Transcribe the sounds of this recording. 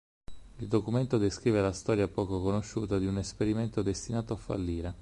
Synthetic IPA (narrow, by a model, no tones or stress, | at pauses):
ild̪okument̪od̪eskɾiːvelast̪ɔːɾjapɔːkokonoʃːuːt̪ad̪iunespeɾiment̪od̪est̪inaːt̪oafːa̰lːiːɾe